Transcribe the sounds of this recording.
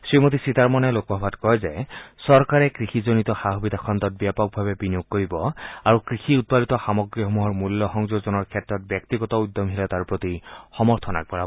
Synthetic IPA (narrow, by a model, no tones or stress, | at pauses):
sɹimot̪isit̪aɹmɔnɛlokɔbʱɔbʱatkɔjzesɔɹkaɹɛkɹixizonit̪ɔxaɦɔbid̪ʱakʰɔnt̪ɔt̚bjapɔk̚bʱabebinijoɡ̚koɹibɔaɹukɹixiut̪̚palit̪ɔxamɔɡɹiɦomuɦɔɹmulːɔxɔŋzoɡzɔnɔɹkʰɛtɹɔt̪̚bjɔkt̪iɡɔt̪ɔud̪ːɔmɦilat̪aɹpɹot̪ixɔmɔɹt̪ʰɔna̰k̚pɔɹa